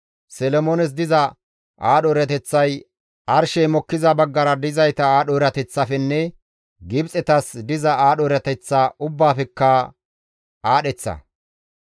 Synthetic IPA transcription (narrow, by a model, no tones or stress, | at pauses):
sɛlɔmoːnɛs̬d̪ɪzɐ | ʔaːɗɔɾɐt̪ɛt͡sːɐj | ʔɐɾʃɛjmɔkːɪzɐbɐɡːɐɾɐd̪ɪzɐjt̪ɐaːɗɔːɾɐt̪ɛt͡sːɐfɛnːɛ | ɡɪbt͡sʼɛt̪ɐsd̪ɪzɐaːɗɔɾɐt̪ɛt͡sːaːʊbːaːfɛkːɐ | aːɗɛt͡sːɐ̰